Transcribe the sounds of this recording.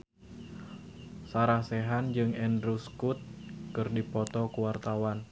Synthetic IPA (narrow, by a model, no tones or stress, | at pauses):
saɾahsɛɦand͡ʒɨŋɛndɾuskut̪̚kɨrdipɔt̪ɔkuwart̪awan